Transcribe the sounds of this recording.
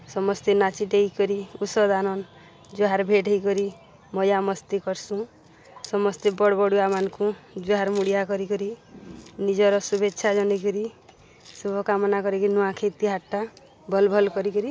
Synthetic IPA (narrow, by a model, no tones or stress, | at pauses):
sɔmɔst̪enat͡ʃiʈejkɔɾiusɔd̪anɔn | d͡ʒuɦaɾbʱeʈejkɔɾi | mɔjamɔst̪ikɔɾsũ | sɔmɔst̪ebɔɽbɔɽuamankud͡ʒuɦaɾmuɽijakɔɾikɔɾi | nid͡ʒɔɾɔsubeːʃʰad͡ʒɔnekɔɾi | subʱɔkamɔnakɔɾikɔɾinuakʰet̪iɦaʈːa | bʱɔlbʱɔlkɔɾikɔɾi